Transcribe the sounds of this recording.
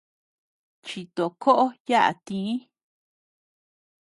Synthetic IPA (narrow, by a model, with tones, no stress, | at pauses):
t͡ʃi˨t̪o˨kʰo˦ʔo˦ja˦ʔa̰˨t̪ĩ˧˦